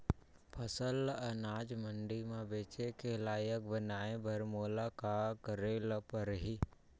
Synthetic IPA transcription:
pʰəsələnaːd͡ʒmə̃ɳɖimãbeːt͡ʃekelaːjək̚bənaːẽbʱɐɾmoːlakakəɾeːlpəɾɦiː

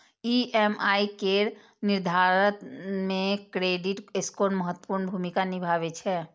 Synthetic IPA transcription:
iɛmaikeɾ | nɪɾd̪ʱaɾət̪mẽkɾeɖiʈeskoɾnməɦət̪ːə̥puːɾnbʱumikanibʱaʋet͡ʃʰɛ

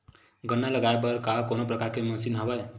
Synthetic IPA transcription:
ɡənːaləɡaepəɾkakonopɾəkaɾkeməsinɦəbəj

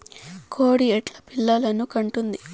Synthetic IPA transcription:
kʰo̞ːɽiɛʈlɐpiɭːɐlɐnukɐɳʈund̪i

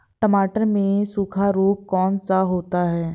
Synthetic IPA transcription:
ʈəmaːʈəɾmẽsukʰaɾoːp̚kɔːnsaɦoːt̪aɦɛː

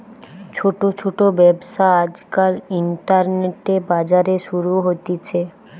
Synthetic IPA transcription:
t͡ɕʰoʈot͡ɕʰoʈobɛbʃaad͡ʑkaɾiɳʈaɾneʈebad͡ʑaɾeʃuɾuɦot̪it͡ɕʰe

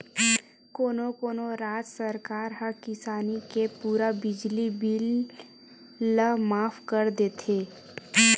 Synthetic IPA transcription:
koːnokoːnoɾaːd͡ʒsəɾkaːɾɦəkɪsaːnikepuːɾabɪd͡ʒlibɪl | əɦmaːfkəɾd̪eːt̪ʰeː

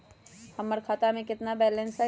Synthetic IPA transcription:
hɐmːəɾkʰaːt̪amẽkɪt̪nabɛːlɛ̃nsa

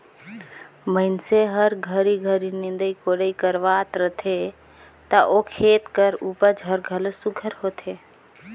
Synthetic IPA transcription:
məɪnseɦəɾɡʱəɾiɡʱəɾinɪ̃nd̪əikoɽəikəɾʋat̪ɾət̪ʰe | t̪əʔokʰeːt̪kəɾupəd͡ʒɦəɾɡʱəlsuɡʱəɾɦoːt̪ʰe

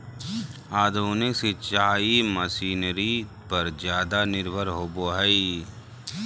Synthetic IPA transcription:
aːd̪ʱuːnɪkset͡ʃaːiməsiːnɾi | pɐɾd͡ʒjaːd̪anɪɾbʱəɾɦoːboɦɛi

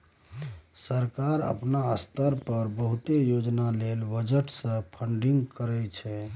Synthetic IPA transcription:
səɾkaɾə̰pnaəst̪əɾpəɾbəɦut̪ejod͡ʒnalelbəd͡ʒəʈsə̃pʰəɳɖiŋɡkəɾɛt͡ʃʰɛ

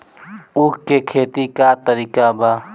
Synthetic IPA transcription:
ʊkkekʰeːt̪ikat̪əɾiːkaba

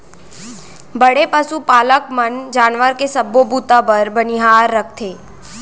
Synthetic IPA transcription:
bɐɽepɐsupaːləkmənd͡ʒaːnʋəɾkesɐbːobuːt̪abəɾbɐnɪɦaːɾːək̚ʰt̪ʰeː

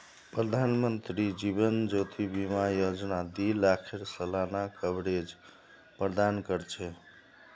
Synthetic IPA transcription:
pɾəd̪ʱanmənt̪ɾid͡ʒiβənd͡ʒot̪ʰibimajod͡ʒnad̪ilakʰeɾsəlanakəbɾed͡ʒ | pɾəd̪ankəɾt͡ʃʰɛ

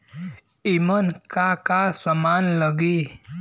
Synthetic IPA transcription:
imənkakasəmanləɡi

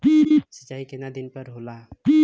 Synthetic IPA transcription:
piisət͡ʃaikenad̪inpəɾɦolapi

